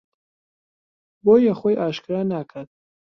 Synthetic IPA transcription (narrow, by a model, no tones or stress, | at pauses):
boːjaχojʔaːʃkɨɾaːnakʰad̪̥̚